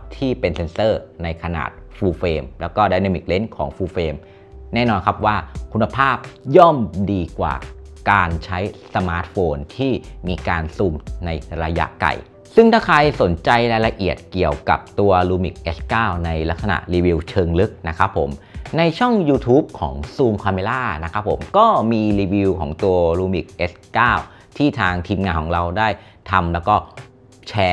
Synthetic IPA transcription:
t̪ʰiː˥˩pe˧nse˧nsɤː˥˩na˧jkʰa˧na̰ː˨˩t̪̚fuː˧feː˧mlɛː˦˥wkɔː˥˩daː˥˩jna˧˩mi˨˩k̚le˦˥nkʰɔ̰ː˩˦ŋfuː˧feː˧m | nɛː˥˩nɔː˧nkʰa˦˥p̚waː˥˩kʰu˧nːa˧pʰaː˥˩p̚jɔ˥˩mdiː˧kwa̰ː˨˩kaː˧nt͡ɕʰa˦˥jsa˧maː˦˥t̪̚foː˧nt̪ʰiː˥˩miː˧kaː˧nsu˧mna˧jɾa˧ja̰˦˥ʔka̰˨˩j | sɯ˥˩ŋt̪ʰaː˥˩kʰa˧jso˨˩˦nt͡ɕa˧jɾaː˧jla˧ʔi˨˩ət̪̚ki˨˩əwka̰˨˩p̚t̪u˧ɐɾuː˧mḭ˨˩k̚ʔe˦˥skaː˥˩wna˧jla˦˥k̚sa˧na̰˨˩ʔɾiː˧wi˧wt͡ɕʰɤː˧ŋlɯ˦˥k̚na˦˥kʰa˦˥pʰːo̰˩˦m | na˧jt͡ɕʰɔ˥˩ŋjuː˧t̪ʰuː˦˥p̚kʰɔ̰ː˩˦ŋsuː˧mkʰaː˧meː˧laː˥˩na˦˥kʰa˦˥pʰːo̰˩˦mkɔː˥˩miː˧ɾiː˧wi˧wkʰɔ̰ː˩˦ŋt̪u˧ɐɾuː˧mi˨˩k̚ʔe˦˥skaː˥˩w | t̪ʰiː˥˩t̪ʰaː˧ŋt̪ʰiː˧mŋaː˧nkʰɔː˩˦ŋɾa˧wdaː˥˩j | t̪ʰa˧mlɛː˦˥wkɔː˥˩ | t͡ɕʰɛː˧

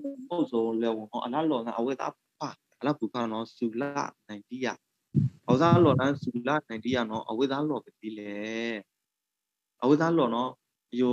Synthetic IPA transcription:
ko˦˨ʔzõ˨lɛ˨wʊ̃˨nɔ̰˦ʔə˨la˦ʔlɔ˨zã̰˦ʔə˨we˦t̪a̰˦˨bu˨pʰa˦˨ | ʔə˨la˦˨bu˨kʰa̰˦˨nɔ˦su˨laa̰˦˨nã˨ɪ̃nti˦˨ja̰˦˨ | ʔəwe˦˨t̪a˦lɔ˨dã˦su˨la̰˦˨nã˨ɪ̃nti˦ja̰˦˨nɔ˦ʔə̰˨we˦ʔt̪a˦lɔ˨bə˨t̪i˦lɛ˨˦ | ʔə˨we˦˨t̪a˦lɔ˨nɔ˦ | ʔə˨jo˨

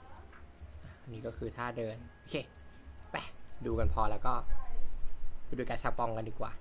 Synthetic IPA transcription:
ʔa˨˧˩ʔa˧nːiː˦˥kɔː˥˩kʰɯː˧t̪ʰaː˥˩dɤː˧no˧˩kʰeː˧ | pɛ˨˩duː˧ka˧npʰɔː˧lɛː˦˥wkɔː˥˩˦ | duː˧˩kaː˧t͡ɕʰa˦˥pːɔ˧ŋka˧ndiː˨˩kwaː˨˩

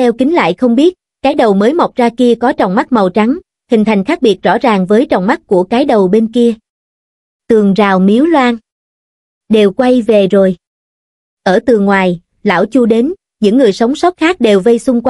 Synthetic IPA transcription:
ɛ˧wkï˨˦ŋ̟la̰ː˧˨jxə˧wŋ͡mɓi˦˥ət̚ | kaː˨˦jɗə˨˩wməː˨˦jmə˨˩wk͡p̚zaː˧ki˧əkɔ˨˦t͡ɕɔ̰˨˩wŋ͡mma˦˥t̚mə˨˩wt͡ɕa˨˦ŋ | hï˨˩ŋ̟t̪ʰa˨˩jŋ̟xaː˦˥k̚ɓi˨˩ət̚zɔ̰˧˥˩zaː˨˩ŋvəː˨˦jt͡ɕɔ̰˨˩wŋ͡mma˦˥t̚ku˧˩əkaː˨˦jɗə˨˩wɓe˧nki˧ə | t̪ɨ˨˩əŋzaː˨˩wmi˨˦əwlwaː˧n | ɗe˨˩wkwa˧jve˨˩zo˨˩j | ʔəː˧˩t̪ɨ˨˩ŋwaː˨˩j | la̰ː˧˩wt͡ɕu˧ɗe˨˦n | ɲɨ̰˧˥ŋːɨ˨˩əjsə˨˦wŋ͡msɔ˦˥k͡p̚xaː˦˥k̚ɗe˨˩wvə˧jsʊ˧ŋ͡mkwa˧

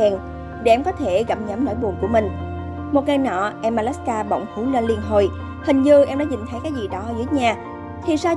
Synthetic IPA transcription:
ɛ˨˩n | ɗe˧˩ʔɛ˧mkɔ˨˦t̪ʰe˧˩ɣa˧˩p̚ɲə˨˦mno̰˧˥jɓu˨˩ənku˧˩əmï˨˩ŋ̟ | mo˨˩t̚ŋaː˨˧jnɔ̰˧˨ʔɛ˧mːʔaː˧lɛ˦˥skaː˧ɓə̰˧˨wŋ͡mhu˧˦wle˧nli˧ənɦo˨˩j | hï˨˩ŋ̟zɨ˧ʔɛ˧mɗa̰˧˥ɲï˨˩ŋ̟t̪ʰə˨˦jkaː˨˦˥jzi˨˩ɗɔ˨˦˧zɨ˨˦əɲaː˨˩ | t̪ʰi˨˩saː˧

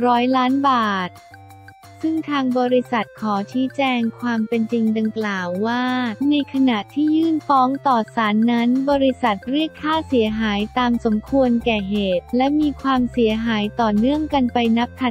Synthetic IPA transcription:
ɾɔː˦˥jlaː˦˥nbaː˨˩t̪̚ | sɯ˥˩ŋt̪ʰaː˧ŋbɔː˧ɾi˧˥sa˨˩t̪̚kʰɔː˩˦t͡ɕʰiː˦˥t͡ɕɛː˧ŋkʰwaː˧mpe˧nt͡ɕi˧ŋda˧ŋklaː˨˩wːaː˥˩na˧jkʰa˧na˨˩t̪ʰːiː˥˩jɯː˥˩nfɔː˦˥ŋt̪ɔː˨˩saː˩˦nːa˦˥nbɔː˧ɾi˧˥sa˨˩t̪̚ɾi˥˩əkʰːaː˥˩si˩˦əɦaː˩˦jt̪aː˧mso˩˦mkʰu˧ənkɛː˨˩ɦeː˨˩t̪̚lɛ˦˥miː˧kʰwaː˧msi˩˦əɦaː˩˦jt̪ɔː˨˩nɯ˥˩əŋka˧npa˧jna˦˥p̚t̪ʰa˨˩

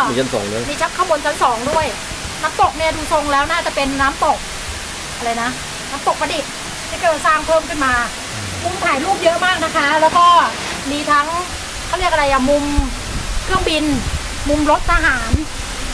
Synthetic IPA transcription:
miː˧˩a˧˩nsɔ̰ː˩˦ŋlɤː˦˥jmiː˧t͡ɕʰa˦˥p̚kʰaː˥˩bo˧nt͡ɕʰa˨˦nsɔː˩˦ŋdu˥˩əj | na˦˥mt̪o˨˩k̚ni˥˩ɐduː˧so˧ŋlɛː˦˥wnaː˥˩t͡ɕa˨˩pe˧nːaː˦˥mt̪o˨˩k̚ | ʔa˧ɾa˧jna˦˥ | naː˦˥mt̪o˨˩k̚pa˧di˨˩k̚ | t͡ɕa˧˥˩kaː˨˩wa˧˩saː˧˩ŋpʰɤː˥˩mka˧˩nmaː˧ | mu˧mt̪ʰaː˨˦jluː˥˩p̚jɤ˦˥ʔmaː˥˩k̚na˦˥kʰa˦˥lɛː˦˥wkɔː˥˩ | miː˧t̪ʰa˦˥ŋ | kʰaː˥˩wɾi˥˩ək̚a˧ɾa˧jʔa˨˩mu˧m | kʰɾɯ˥˩əŋbi˧n | mu˧mɾo˦˥t̪̚ʔaː˧ɦaː˩˦n

